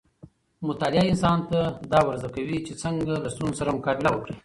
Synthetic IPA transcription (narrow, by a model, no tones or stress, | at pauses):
mʊt̪ɑlɪaɪnsɑnt̪ad̪ɑwaɾzakawit͡ʃet͡səŋɡalast̪unzosaɾamʊkɑd̪ɪlawəkɽi